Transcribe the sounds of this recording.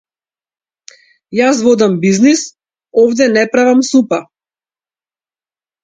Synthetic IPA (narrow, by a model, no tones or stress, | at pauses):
jas̬vɔd̪ambiznis | ɔvd̪ɛnɛpɾavamsupa